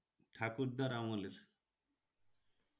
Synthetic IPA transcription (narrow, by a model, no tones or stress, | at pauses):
ʈʰakuɾd̪aɾamoleɾ